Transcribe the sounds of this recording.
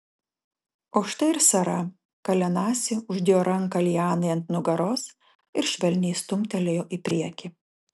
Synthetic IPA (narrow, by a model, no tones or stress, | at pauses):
oːʃt̪ɐɪɾsɐɾɐ | kɐlʲɛnɑːsʲɪʊʒʲd̪ʲɪjoːɾɐŋˑkɐlʲɪjɑːnɐɪɐnt̪nʊɡɐɾoːs | ɪɾʃʲʋʲɛlʲnʲɛjst̪ʊmʲt̪ʲɛlʲejoːʔipʲɾʲiɛkʲi